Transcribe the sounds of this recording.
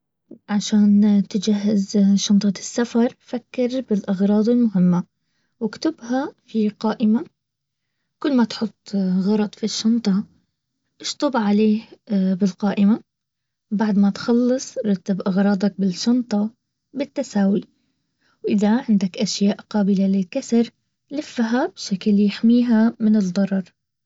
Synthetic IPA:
ʕaʃaːnt̪ɪd͡ʒaɦːɪzʃɑnt̪ˤɑɪsːafɑɾˤfakːɪɾbɪlʔɑɣɾˤɑːd̪ˤɪlmʊɦɪmːa | wɪkt̪ʊbhafiqɑːʔɪma | kʊlːmat̪ħʊt̪ˤːɣɑɾˤɑt̪ˤfiʃːɑnt̪ˤɑ | ʔɪʃt̪ˤɑbʕaleːhbɪlqɑːʔɪma | baʕd̪mat̪xɑlːɨsˤɾˤɑt̪ːabʔɑɣɾˤɑːd̪ˤɑk̚bɪlʃɑnt̪ˤɑ | bɪt̪ːasaːwi | wʔɪðaʕɪnd̪akʔaʃjaːʔqaːbɪlalɪkasɑɾ | lɪfːɦabʃaklːjɪħmiːɦamɪnɪd̪ˤːɑɾˤɑɾˤ

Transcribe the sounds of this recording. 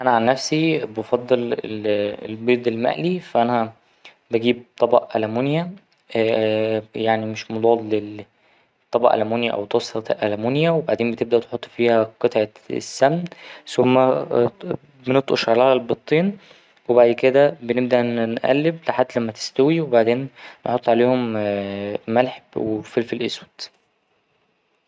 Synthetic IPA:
ʔænæʕanːæfsibefɑd̪ˤːel | ḛlbeːd̪elmæ̰ʔlifæʔænæ | bæɡiːb̚t̪ˤɑbɑ̰ʔʔælæmunjæ | jaʕnimeʃmod̪ˤɑːd̪le | t̪ˤːɑbɑʔæ̰læmuːnjæʔæ̰wt̪ˤɑsˤɑʔælæmunjæwebaʕd̪eːmbet̪eb̚d̪æʔt̪e̥ħot̪ˤːfiːhæqet̪ˤʕḛ | sːæmnsomːæ | benet̪ˤʔoʃʕalaːhælbet̪ˤːiːn | webaʕd̪ked̪æbeneb̚d̪æʔnnʔæ̰lːebleħad̪ːlæmːæt̪e̥st̪æwiwebaʕd̪eːnːeħot̪ˤːʕaleːhom | mælħebwefelfelʔeswæd̪̥

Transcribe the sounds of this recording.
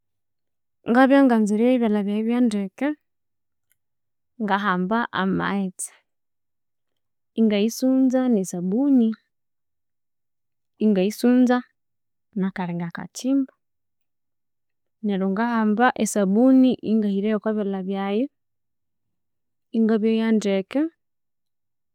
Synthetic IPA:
ŋɡaβjaŋɡanziɾeiβjalaβjajeβjandeke | ŋɡaɦaːmbaʔa̰ma̰et͡sḁ | ŋɡaisuːnzanesabuni | ŋɡaisuːnza | nakaɾeŋɡaka̰t͡ʃiːmba | neɾoŋɡahaːmbaʔesaβuniʔiŋɡahiɾejokwoβelaβjaje | iŋɡaβjojandeke

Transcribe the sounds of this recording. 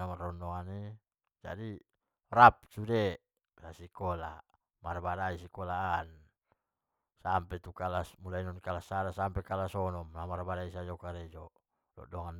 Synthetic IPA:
amarɔndɔŋani | d͡ʒa̰di | rap̚sude | sasikɔla | marbadaisikɔlaːn | sampɛt̪ukalasmulainɔnkalasaɾasampɛkalasɔnɔmlamarbadaisad͡ʒɔkaɾɛd͡ʒɔ | lɔ̰dɔŋan

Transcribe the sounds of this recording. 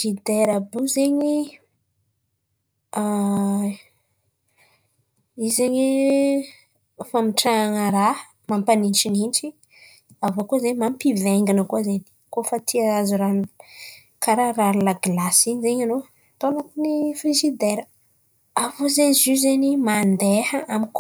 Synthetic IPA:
zid̪eɾabuzeɲi | a | izeɲi | famiʈ͡ʂaaŋəɾa | mampanint͡ʃininʈ͡ʂi | avokozemampiveŋɡinəkuazeni̥kofat̪ʰiaazuɾan | kaɾaraɾlaɡlasiɲizeɲano | t̪onat̪inifrizid̪eɾə | avozenizizenimand̪ehəamik

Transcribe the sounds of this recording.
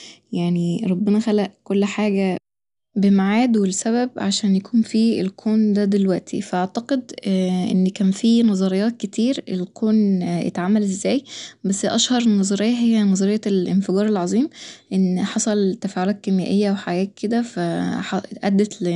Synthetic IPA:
jaʕniɾˤɑbːenæxælæʔkolːħaːɡæ | bemaʕaːd̪welsæβæbʕaʃæːnjækuːnfiːḛlkʰoːnd̪æd̪elwæʔt̪ʰḭfæʔaʕt̪ɑqed̪ʔḛnːkæːnfiːnɑzˤɑɾejːɑːt̪̚ket̪ʰiːɾelkʰoːnjʔḛt̪ʕamːælʔezːæːjbæsːʔæʃhɑɾˤenːɑzˤɑɾejːɑɦejːænɑzˤɑɾejːɑlʔenfeɡɑːɾˤelʕɑzˤiːmʔenːħɑsˤɑlt̪ːæfæːʕolæːt̪̚kemjæ̰ːʔejːæweħaɡæːkːed̪æfæħɑʔæd̪ːæt̪l

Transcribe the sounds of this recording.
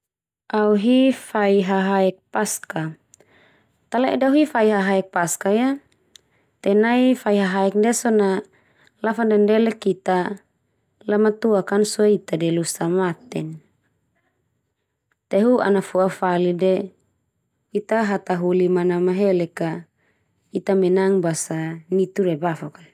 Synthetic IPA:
auɦifaiɦaɦaɛk̚paska | t̪alɛʔɛdauɦifaiɦaɦaɛk̚paskaja | t̪ɛnaifaiɦaɦaɛk̚ndɛsɔna | lafandɛndɛlɛkit̪a | lamat̪uakansuɛit̪adɛlusamat̪ɛn | t̪eɦua̰nafuafalidɛ | it̪aɦat̪aɦulimanamaɦɛlɛka | it̪amɛnaŋbasanit̪uɾɛbafakan

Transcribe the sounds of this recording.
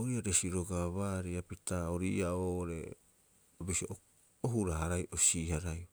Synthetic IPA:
oɾiaɾe̞siɾo̞ɡaβaːɾiapitaoɾiːaoːɾe̞̰ | bisioʔ | oɦuɾaɦaɾajʔosihaɾaj

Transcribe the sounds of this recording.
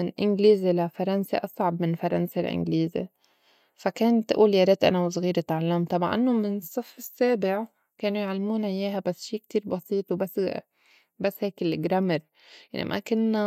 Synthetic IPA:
ɪnʔɪnɡliːzelafɑɾˤɑnsaʔɑsˤʕɑbmɪnfɑɾˤɑ̰nsalʔɪ̰nɡliːzḛ | fakeːnt̪ʔṵːljaɾˤet̪ʔa̰nawsˤɣiːɾɪt̪aʕalːamt̪ˤɑbaʕʔa̰nːomɪnsˤːɨfɪsːeːbɪʕ | keːnujʕalːmuːnʕɪjeːɦabasːʃiːk̚t̪iːɾbɑsiːt̪ˤwbas | basːheːkɪlɡɾamɪɾ | jaʕnḭmʔa̰kʊnːa

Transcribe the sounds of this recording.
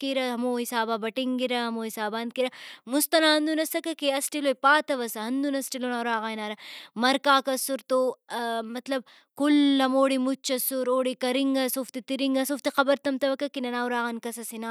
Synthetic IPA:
kiɾɐɦɐmoːɦisaːbaːbɐʈiŋɡiɾɐɦɐmoːɦisaːbaːnd̪̚kiɾɐmust̪ɐnaːɦɐnd̪unɐsɐkɐkeɐsʈiloːjpaːt̪ɐʋɐsɐɦɐnd̪unɐsʈilonaːɾaːɣaːjnaːɾɐmɐɾkaːkɐsuɾt̪oːmɐt̪lɐb̚ | kulːɐmoːɽimut͡ʃːɐsuɾoːɽikɐɾiŋɡɐsoft̪it̪iɾiŋɡɐsoft̪iqɐbɐɾt̪ɐmt̪ɐʋɐkːɐkinɐnaːwɾaːɣankɐsɐsinaː

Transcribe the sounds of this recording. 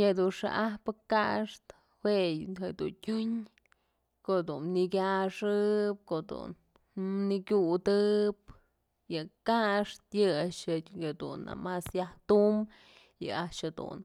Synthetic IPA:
jed̪unʂa̰ʔahpɨkaʂt̪ | hwejhed̪ṵntʲuɲ | koʔd̪unːiɡʲaʂɨp̚koʔd̪ṵn | nikʲud̪ɨp̚ | jɨkaʂt̪jɨat͡ʃad̪ṵna̰masjaht̪um | jɨ̰at͡ʃhad̪ṵn

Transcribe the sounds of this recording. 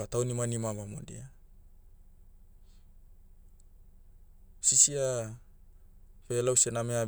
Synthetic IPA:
atawnimanimamamo̰dḭa | sisia | pelawsenamea

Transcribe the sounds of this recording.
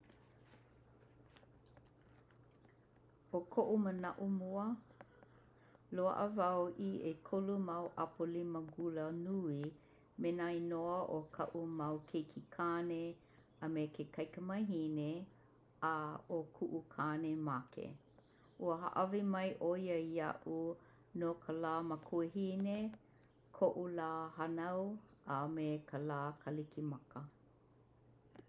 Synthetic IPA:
okʰoʔumənɐʔumuə | loə̰ʔə̰vɐwʔiekʰolumɐwʔɐpoliməɡulənui | menainoəʔokʰɐ̰ʔumɐwkʰejkʰikʰane | ɐmekʰekʰɐjkəmɐjɦine | aokʰuʔukʰaːnemakʰḛ | ʔuəɦa̰ʔɐvimɐjʔoiəiɐ̰ʔu | nokʰəlaːmakʰueɦine | kʰoʔulaːhanɐwəmekəlaːkʰɐlikimɐkə

